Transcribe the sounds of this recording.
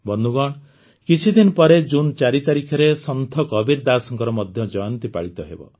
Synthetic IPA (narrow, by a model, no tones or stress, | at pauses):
bɔnuɡɔɳ̃ | kit͡ʃʰid̪inɔpɔɾed͡ʒunt͡ʃaɾit̪aɾikʰaɾesɔnt̪ʰɔkɔbiɾd̪asɔŋkɔɾɔmɔd̪ʱjɔd͡ʒɔjɔnt̪ipaɭit̪ɔɦḛbɔ̰